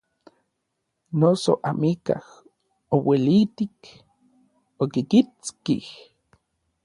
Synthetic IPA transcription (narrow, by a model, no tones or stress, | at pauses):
noso̰ʔamika̰h | owelit̪ik | okikit͡skih